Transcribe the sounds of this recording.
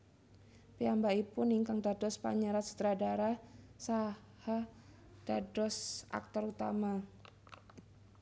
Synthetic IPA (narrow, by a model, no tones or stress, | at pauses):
peambaipʊniŋkaŋdadɔspa̰ɲaɾat̪su̥t̪ɾadaɾasa | ha | d̥adɔsʔa̰k̚t̪ɔɾut̪ama